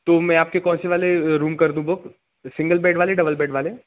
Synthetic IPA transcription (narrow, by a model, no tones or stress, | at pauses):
t̪oːmɛ̃aːp̚kekɔːnseʋaːleɾuːmkɐɾd̪ũbʊk | sɪ̃ŋɡəlbɛːɖʋaːleɖɐbəlbɛːɖʋaːle